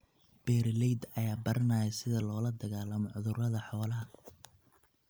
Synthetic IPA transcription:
b̥ɛːɾlɛjd̪ɐjaːbɐɾɐnaːjɛsɪðɐlɔːlɐd̪ɐɣaːlɐmɔʕʊðʊrɐðɐħɔːlɐɦɐ

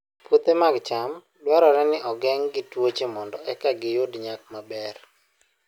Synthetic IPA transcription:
pot̪emaɡt͡ʃam | dwaɾɔɾɛnɪʔɔɡɛŋɡɪtwot͡ʃemɔndɔʔɛkaɡɪjodɲak̚mabɛr

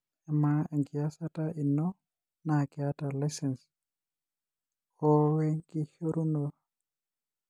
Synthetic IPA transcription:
ɛmaaŋɡiasatainɔ | nakɛatalasɛns | ɔwɛŋkihoɾunɔ

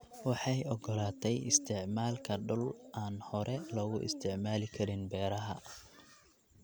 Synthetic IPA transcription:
wɑħɑjɔɡɔlaːt̪ʰɛjɪst̪ʰɪʕmaːlkʰɐɖʊlʔaːnhɔɾʔɛlɔːɣʊʔɪ̰st̪ʰɪʕmaːlɪkʰɐɾɪnbɛːɾɐɦɐ

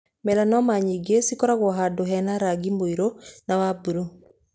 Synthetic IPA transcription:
mɛlanɔmaɲiɡesikɔɾaɣwɔɦadoɦɛnaɾaɡimoiɾonawabuɾu

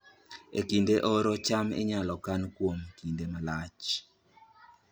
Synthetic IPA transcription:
ḛkindeʔoɾɔt͡ʃamḛɲalɔkankwomkindemalat͡ʃ

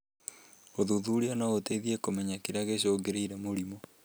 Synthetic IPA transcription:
oðuðuɾianaoteiðiekomɛɲakiɾaɣeʃoɡeɾeiɾemoɾimo

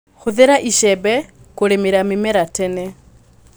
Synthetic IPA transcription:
xoðeɾaʔiʃɛbɛkoɾemeɾamemɛɾatɛnɛ

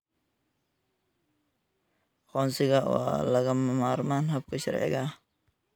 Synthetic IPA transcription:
qɔːnsɪɣɐʔɔ̰ːa̰lɐɣɐmɐmaːɾmaːnɦɐb̚kʰɐʃɐ̰ɾʕɪ̰ɣɐ

